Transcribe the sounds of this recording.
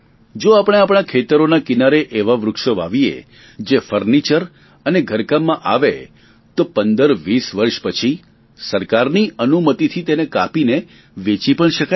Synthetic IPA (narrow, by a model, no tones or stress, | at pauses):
d͡ʒoapɽ̃eapɽ̃akʰet̪əɾonakɪnaɾeʔeʋaʋɾʊkʃəʋa̰ʋiḛ | d͡ʒefəɾnit͡ʃəɾ | əneɡʱəɾkamːãʔaʋe | t̪opənd̪əɾʋisʋəɾʃpət͡ʃʰi | səɾkaɾniənumət̪it̪ʰit̪enekapine | ʋet͡ʃipəɳʃəka